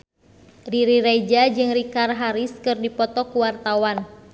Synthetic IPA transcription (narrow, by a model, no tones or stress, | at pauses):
riɾiɾɛd͡ʒad͡ʒɨŋɾikarɦaɾiskɨrdipɔt̪ɔkuwart̪awan